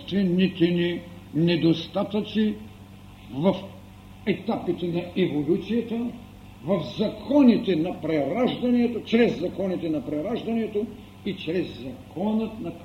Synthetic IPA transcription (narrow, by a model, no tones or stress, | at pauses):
t̪vɛnit̪ɛni | nɛd̪ost̪at̪ət͡ʃ̪i | vɐf | ɛt̪apit̪ɛnɐɛvolʲut̪sijɐt̪ə | vɐfzɐkʰɔnit̪ɛnɐpɾɛɾaʒd̪ɐniɛt̪ot͡ʃɾɛzːɐkɔnit̪ɛnɐpɾɛɾaʒd̪ɐnɛt̪o | it͡ʃɾɛzːɐkʰɔnət̪nɐ